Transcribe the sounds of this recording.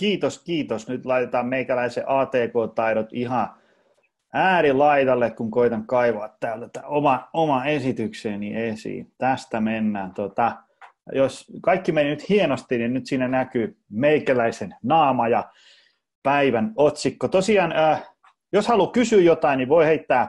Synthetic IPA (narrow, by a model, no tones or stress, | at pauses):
kiːt̪oskiːt̪osnyt̪lɑit̪et̪ɑːmmeikælæiseʔɑːt̪eːkoːt̪ɑiɾot̪ihɑ | æːɾilɑit̪ɑlːekkuŋkoit̪ɑŋkɑiʋɑːt̪tæːlt̪æt̪ːæomɑomɑesit̪ykseːniesḭːt̪æst̪æmenːæːnt̪ot̪ɑ | joskɑikːimennyt̪hienost̪ininnyt̪siːnænækyːmeikælæisennɑːmɑjɑ | pæiʋænot̪sikːot̪osiɑːnəː | joshɑlukysyːjot̪ɑinniʋoiheit̪ːæː